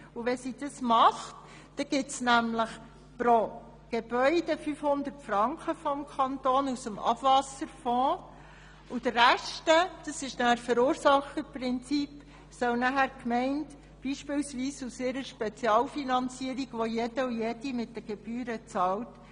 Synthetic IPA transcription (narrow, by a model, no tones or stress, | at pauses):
uʋɛsid̥ɑsmɑχt | d̥ɛɡ̥ɪtsnæmləχ | pɾo | ɡ̥eb̥œʏd̥əfyfhʊnd̪ərtfɾɑŋkχəfɔmkʰɑntoːnusəmɑ̰b̥vɑsəɾfɔ̃ː | ud̥̪əɾæʃtəd̥ɑsɪʃnæɾfəɾuːɾsɑχəpɾɪnt͡sip | sœwnæɦæːɾkmɛɪnt | b̥iːʃpɪlsʋiːsusɪɾəɾʃpɛt͡sjɑːlfinɑnt͡siəɾiɡʋɔjɛdəujedimɪtdəɡ̥eb̥yːɾət͡sɑwt